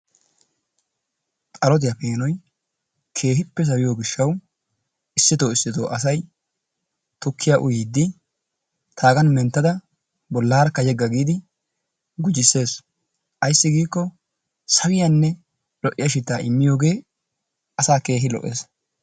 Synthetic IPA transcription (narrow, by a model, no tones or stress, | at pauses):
t̪ʼɐlɔt̪̬ɪjɐpe̞ːnɔj | kʰe̞ːɦɪpːɛs̬ɐwɪjoːɡɪʃːɐw | ɪsːɪt̪o̞ːɪsːɪt̪oːʔɐsɐj | t̪ʊkʰːɪjaʔʊjiːd̪ːɪ | t̪ʰaːɡɐnmɛnt̪ːɐd̪ɐ | bɔlːaːɾkːɐjɛɡːɐɡiːd̪ɪ | ɡʊd͡ʒɪsːe̞ːs | ʔɐjsːɪɡiːkːɔ | sɐwɪjɐnːɛ | lɔʔɪjɐʃ̬ɪt̪ːaːɪmːɪjo̞ːɡe̞ː | ʔɐsaːke̞ːɦɪlɔ̰ʔːe̞̰ːs